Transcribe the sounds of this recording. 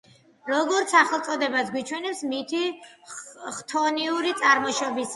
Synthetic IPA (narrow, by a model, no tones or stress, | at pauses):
ɾɔɡɔɾt̪sʰaχɛlˠt̪sʼɔd̪ɛbasɡwit͡ʃʰwɛnɛpsmit̪ʰi | χt̪ʰɔniuɾit̪sʼaɾmɔʃɔbis